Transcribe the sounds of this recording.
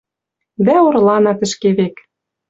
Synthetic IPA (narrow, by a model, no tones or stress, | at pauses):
d̪æoɾlɑnɑt̪ɘ̆ʃkeβek